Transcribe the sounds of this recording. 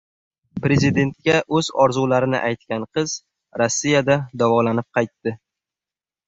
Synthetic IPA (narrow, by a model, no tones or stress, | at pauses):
pɾe̞zid̪e̞nt̪̚kʲaʔɵzɒɾzulaɾɪnɪ̰ʔajt̪̚kʲanqʰɨz | ɾosːijad̪ad̪avɒlanɪp̚qʰɑjt̪ːɪ